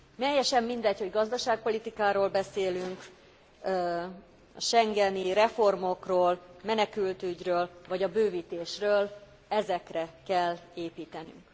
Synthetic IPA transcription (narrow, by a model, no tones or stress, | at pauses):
mɛjːɛʃɛmːind̪ɛcho̞ɟɡɒzd̪ɒʃaːk̚po̞lit̪ikaːɾoːlbɛseːlyŋk | ɒʃɛŋɡɛniɾɛfo̞rmo̞kroːlmɛnɛkylt̪yɟrøːlvɒɟɒbøːviːt̪eːʃrøːl | ɛzɛkrɛkɛlːeːpiːt̪ɛny̰ŋk